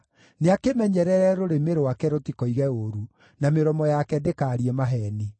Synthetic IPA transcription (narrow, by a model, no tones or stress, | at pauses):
neakemɛɲɛɾɛɾɛɾoɾemeɾowakɛɾotikɔiɣɛoɾu | nameɾɔmɔjakɛdekaɾiɛmaɦɛni